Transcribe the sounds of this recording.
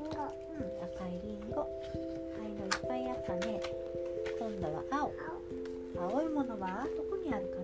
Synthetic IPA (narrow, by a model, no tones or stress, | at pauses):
ɯtakaiɾʲiŋɡo | kainoipːaiat̪ːane | kõ̞nd̪aβa̰ʔao | aoimo̞no̞βad̪o̞kɯ̟ɲ̟iaɾɯ̟ka